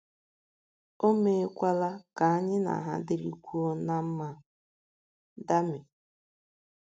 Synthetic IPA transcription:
o˦me˦kʷa˦la˦ka˨a˦ɲɪ˦na̰˨ɦa̰˦dɪ˨ɾḭ˦kʷu˦ɔ˦na˦m̩˦ma˦ | da˦mɪ˨

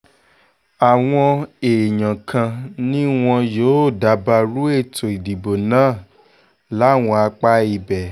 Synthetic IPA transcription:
a˨w̃ɔ̃˧e˨ɲã˨kʰã˧nĩ˦w̃ɔ̃˧joː˨˦˨da˨˦ba˧ɾu˦e˦˨tʰo˨i˨di˨bo˨nãː˦˨ | la˨˦˨w̃ɔ̃˧a˧k͡pa˦i˧bɛ˨

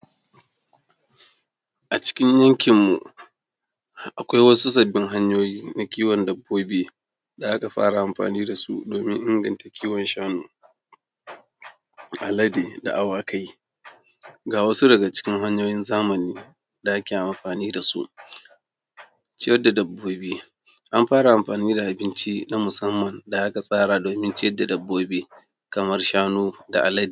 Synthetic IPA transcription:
ʔa˨t͡ʃɪ̥˦kʲɪ˦ɲjɐ˦ŋkʲɪ˨mːu˨ | ʔa˨kʷa˦jwɐ˦su˦s̬ɐ˨bːɪ˦ŋɦa˦ɲjoː˦jiː˦na˨kʲiː˦wɐ˨ndɐ˨bːoː˦beː˦ | da˨ʔa˦ka˨ɸa̰ː˦ɽa˨ʔa˨mɸa̰ː˨niː˦da˨sṵ˦doː˨mɪ˦ŋʔɪ˦ŋɡɐ˨nta˨kʲʰiː˦wɔ˨nʃaː˦noː˨ | ʔa˨lɐ˦deː˨da̰˨ʔa˨waː˦ka˦j | ɡaː˨wɐ˦su˦dɐ˨ɡa˨t͡ʃɪ̥˦kʲɪ˦ŋɦa˦ɲjoː˦jɪ˦nzaː˦mɐ˨niː˦ | da˨ʔa˦kʲi˨a˨ʔa˨mɸaː˨niː˦da˨sṵ˦ʔ | t͡ʃɪ˦jɐ˦da˨dɐ˨bːoː˦biː˦ | ʔa˦mɸaː˦ɽa˨ʔa˨mɸaː˨niː˦da˨ʔa˨bɪ˦nt͡ʃi˦na˦mʊ˨sɐ˦mːɐ˨nda˨ʔa˦ka˨sʼaː˦ɽaː˨doː˨mɪ˦nt͡ʃɪ˦jɐ˦dːa˨dɐ˨bːoː˦biː˦ | kɐ˨mɐ˦rʃaː˦nuː˦da̰˨ʔa˨lɐ˦deː˨

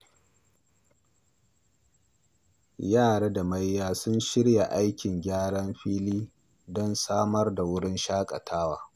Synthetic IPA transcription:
jaː˦˨ɽa˦da˨ma˦jːaː˦sʊ˦nʃɪ˦ɽja˨ʔa˦jkʲɪ˨ŋɡʲaː˦ɽɐ˦mɸiː˦liː˦ | dɔ˦nsaː˦mɐ˦rda˨wʊ˦ɽɪ˦nʃaː˦kʼɐ˨tʰaː˦waː˨

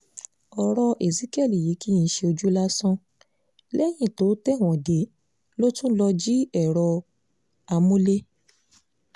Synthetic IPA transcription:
ɔ˧ɾɔ˧ʔe˨zi˦kɛ˦˨li˨ji˨˦ki˦jĩ˧˦ʃe˧o˧d͡ʒu˦la˦sɔ̃˦ | lɛ˦j̃ĩ˦˨to˨˦tɛ˦˨w̃ɔ̃˨de˨˦ | lo˦tũ˦lɔ˧d͡ʒi˦ɛ˦˨ɾɔ˧ | a˧mũ˦le˦

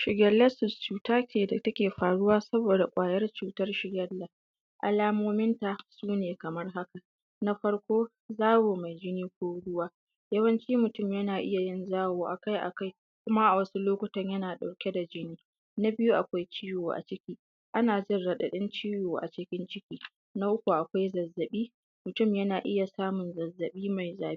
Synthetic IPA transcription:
ʃɪ˨ɡʲɐ˦lːɐ˦sɪ˨st͡ʃuː˨taː˦kʲeː˨da˨tɐ˦kʲeː˨ɸaː˨ɽʊ˦waː˦sɐ˦boː˨da˨kʷʼaː˨jɐ˦rt͡ʃuː˨tɐ˦rʃɪ˨ɡʲɐ˦lːa˨ | ʔa̰˨laː˦moː˦mɪ˦nta˨suː˦neː˨kɐ˨mɐ˦rɦa˦ka˨ | na˦ɸɐ˦rkʷoː˦ | zaː˦woː˨ma˨jd͡ʒɪ˦niː˦k̚ʷoː˦ɽʊ˦waː˦ | jɐ˦wɐ˦nt͡ʃiː˦mʊ˨tʊ˦˨mjɐ˦naː˨ʔɪ˦ja˨jɪ˦nzaː˦woː˨ʔa̰˨ka˦jʔa̰˨ka˦j | kʷʊ˦ma˦ʔa˨wɐ˦su˦loː˦kʷʊ˨tɐ˦ɲjɐ˦naː˨ɗa˨wkʲe˦da˨d͡ʒɪ˦niː˦ | na˦bɪ˦ju˦ʔa˨kʷa˦jt͡ʃiː˦joː˨ʔa̰˨t͡ʃɪ˦kʲiː˦ | ʔa˦naː˨d͡ʒɪ˦nɽɐ˨ɗɐ˨ɗɪ˦nt͡ʃiː˦joː˨ʔa̰˨t͡ʃɪ˦kʲɪ˦nt͡ʃɪ˦kʲiː˦ | na˦ʔʊ˦kʷu˨ʔa˨kʷa˦jzɐ˨zːɐ˨ɓiː˦ | mʊ˨tʊ˦˨mjɐ˦naː˨ʔɪ˦ja˨saː˦mʊ˨nzɐ˨zːɐ˨ɓiː˦ma˨jzaː˨˦

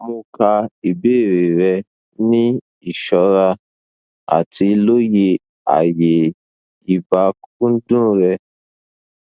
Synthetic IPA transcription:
mũ˧ka˧i˨beː˦˨ɾe˨ɾɛ˧ | nĩ˦ | i˦˨ʃɔ˨˦ɾa˧ | a̰˨tʰi˧˦lo˦je˧ | a̰˨je˨ | i˨ba˧kkũ˦n̩˦dũ˦ɾɛ˧

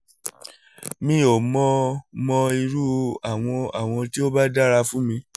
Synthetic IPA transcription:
mĩ˧o˨mɔ̃˧mɔ̃˧i˧ɾu˦a˨w̃ɔ̃˧a˦˨w̃ɔ̃˧ti˦o˦ba˦da˦ɾa˧fũ˦mĩ˧

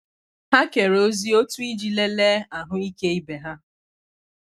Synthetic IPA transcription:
ha˦ke˨ɾo˦zi˦o˦tu˦i˦d͡ʒi˨le˦le˦a˨ɦʊ˦i˦ke˦i˦be˨ɦa˦

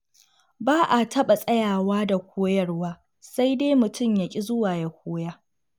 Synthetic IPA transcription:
baː˦ʔa˨tʰɐ˦ɓa˨sʼɐ˦jaː˨waː˦da˨kʷʰoː˦jɐ˦rwaː˦ | sa˦jdeː˦mʊ˨tʰʊ˦˨mja˦kʲʼi˦zʊ˦waː˨ja˦kʷoː˦jaː˦

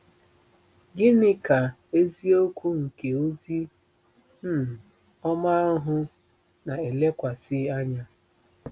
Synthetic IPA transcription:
ɡɪ˦nɪ˦ka˨ | e˦zi˦o˦kʷu˦ŋ̩˨ke˨o˦zi˦ | m̩˦˨ | ɔ˦ma˦ɦʊ˦ | na˨e˨le˦kʷa˨sɪ˦a˦ɲa˦

